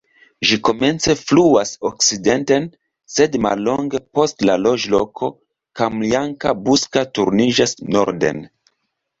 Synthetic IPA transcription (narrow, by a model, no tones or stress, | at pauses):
ʒiko̞me̞nt͡se̞fluaso̞kside̞nte̞n | se̞dma̰lːo̞ŋɡe̞po̞stlalo̞d͡ʒlo̞kʰo̞ | kamliaŋkabuskatuɾnid͡ʒasno̞̰ɾde̞̰n